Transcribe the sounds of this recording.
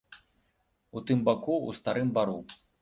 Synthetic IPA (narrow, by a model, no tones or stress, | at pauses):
ut̪ɨmbakuṵst̪aɾɨmbaɾu